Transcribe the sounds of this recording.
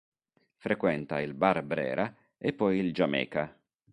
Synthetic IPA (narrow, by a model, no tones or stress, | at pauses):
fɾekwɛnt̪ailbarbɾɛ̰ːɾa | epːɔjild͡ʒamɛ̰ːka